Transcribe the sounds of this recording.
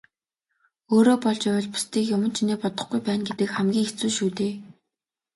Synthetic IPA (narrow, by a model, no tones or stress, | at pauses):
oːɾoːpɔɮt͡ɕaw̆ɮpʊ̥st̪iːkjʊmə̆nt͡ɕʰineːpɔt̪ɞ̆χɡujpæːnɡet̪ɘ̆kχæmɡʲiːŋxet͡suːʃuːt̪eː